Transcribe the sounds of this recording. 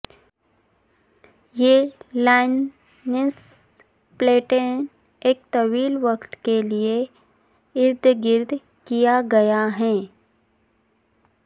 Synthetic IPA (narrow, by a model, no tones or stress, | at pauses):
jeːlaːɪnː | ɪs | pleːʈen | eːk̚t̪ɐʋiːlʋɐkt̪kelie | ɪɾd̪ʱɡɪɾd̪ʱ | kijaɡɐjaɦɛ̃ː